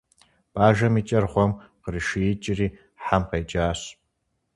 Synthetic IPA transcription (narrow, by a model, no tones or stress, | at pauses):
pʼaːʒɐmit͡ʃʼɐrχʷɔmqəriʃiɪt͡ʃʼɪriː | ħamqejt͡ʃʼaːɕ